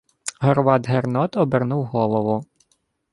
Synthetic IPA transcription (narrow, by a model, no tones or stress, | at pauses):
ɦɔɾʋɑd̪ɦernɔt̪ɔbɪrnuwɦɔlˠɔʋʊ